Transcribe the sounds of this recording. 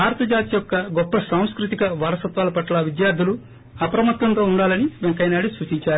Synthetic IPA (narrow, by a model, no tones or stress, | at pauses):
baːɾɐt̪ɐd͡ʒaːt̪ijɔkːɐɡɔpːɐsaːw̃skɾut̪ikɐʋɐːɾɐsɐt̪ʋaːlɐpɐʈlɐʋid̪jaːɾd̪ʱulu | ɐpɾɐmɐt̪ːɐnt̪o̞ːuɳɖaːlɐniʋeŋkɐjnaːɽisʋuːt͡ʃiɲt͡ʃaːɾu